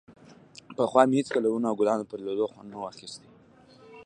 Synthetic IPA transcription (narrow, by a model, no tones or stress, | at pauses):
pəxwɑmehet͡skalawunaɡʊlɑnopəɾlod̪oxwand̪nawaxist̪e